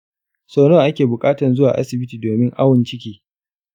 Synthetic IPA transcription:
soː˨noː˦˨ʔa˦kʲeː˨bʊ˨kʼaː˦tɐ˨nzʊ˦waː˨ʔa̰˦sɪ˨bɪ˦tiː˨doː˨mɪ˦ŋʔa˦wʊ˨nt͡ʃɪ˦kʲiː˦

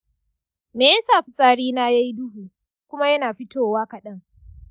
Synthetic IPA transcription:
meː˨jɐ˦saː˨ɸɪ˨sʼaː˦ɽiː˦naː˦ja˦jdʊ˦huː˨ | kʷʊ˦ma˦jɐ˦naː˨ɸɪ˦tʰoː˦˨waː˦kɐ˨ɗɐ˦ŋ

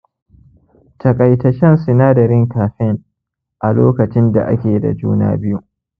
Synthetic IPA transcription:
tʰɐ˨kʼɐ˨jtɐ˨ʃɛ˦nsɪ˨naː˦dɐ˨ɾɪ˦ŋkaː˨ɸɪ˦ŋ | ʔa˨loː˦kɐ˨t͡ʃɪ˦nda̰˨ʔa̰˦kʲeː˨da̰˨d͡ʒṵː˦na̰ː˦bɪ˦ju˦ʔ

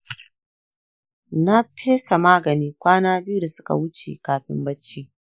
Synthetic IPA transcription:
na˦pʰeː˦sa˨maː˦ɡɐ˨niː˦kʷaː˦naː˦bɪ˦ju˦da˨sʊ̥˦ka̰˨wʊ˦t͡ʃḛ˨kaː˨ɸɪ̰˦mbɐ˦t͡ʃːiː˦

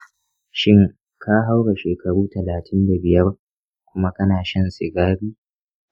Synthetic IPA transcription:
ʃɪ˦ŋ | kʰa˦ɦa˦wɽa˨ʃeː˨kɐ˨ɽuː˦tɐ˨laː˨tʰɪ˦nda˨bɪ˨jɐ˦b | kʷʊ˦ma˦kɐ˦naː˨ʃɐ˦nsɪ˨ɡaː˦ɾiː˦

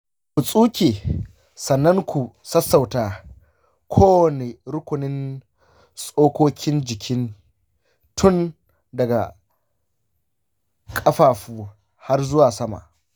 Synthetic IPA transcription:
ku˨sʼuː˦kʲeː˨ | sɐ˨nːɐ˦ŋkʷu˨sɐ˦sːɐ˨wtaː˨ | kʷʰoː˦wɐ˨ne˨ɾʊ˦kʷʊ˨nɪ˦n | sʼoː˦kʷoː˦kʲɪ˦nd͡ʒɪ˨kʲʰɪ˦n | tʰʊ˦n | dɐ˨ɡa̰˨ | kʼɐ˦ɸaː˨ɸuː˦ | ha˦rzʊ˦waː˨sɐ˦ma̰˨ʔ

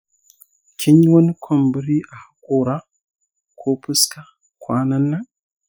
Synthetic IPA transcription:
kʲʰi˦ɲ˦wɐ˦n˦kʷʰo˨mbɨ˦ɾi˦ʔa˨ha˦kʼo˦ɾa˦ | kʰʷo˦pɨ˦ska˦ | kʰʷwa˦na˦nːa˦

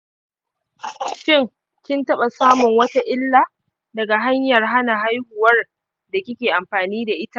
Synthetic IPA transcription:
ʃɪ˦˨ŋ | kʲɪ˦ntɐ˦ɓa˨saː˦mʊ˨ŋwɐ˦ta˦ʔɪ˦lːa˨ | dɐ˨ɡa˨ɦa˦ɲjɐ˨rɦa˦na˨ɦa˦jhʊ˨wɐ˦r | da˨kʲɪ˦kʲeː˨ʔa˨mɸaː˨niː˦da˨ʔɪ˦ta˦ʔ

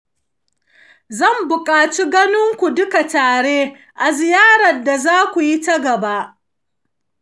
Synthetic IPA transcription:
zɐ˦˨mbʊ˨kʼaː˨t͡ʃi˦ɡɐ˦nʊ˦ŋkʷu˨dʊ˦ka˨taː˨ɽeː˦ | ʔa˨zɪ˨jaː˦ɽɐ˨da˨zaː˦kʷu˨ji˦tɐ˦ɡɐ˨ba˦ʔ

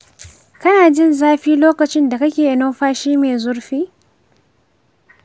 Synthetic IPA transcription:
kɐ˦naː˨d͡ʒɪ˦nzaː˦ɸiː˦loː˦kɐ˨t͡ʃɪ˦nda˨kɐ˦kʲeː˨ʔɪ˨no˦ɸaː˦ʃiː˦meː˨zʊ˦rɸiː˦

